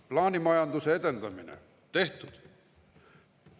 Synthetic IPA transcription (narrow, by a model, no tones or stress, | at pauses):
plɑːnʲimɑjɑnd̪useed̪e̞nd̪ɑminḛ | t̪e̞ht̪ud̪̥